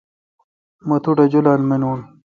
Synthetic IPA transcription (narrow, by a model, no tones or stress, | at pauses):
mɐt̪ʰuʈad͡ʑulalmenul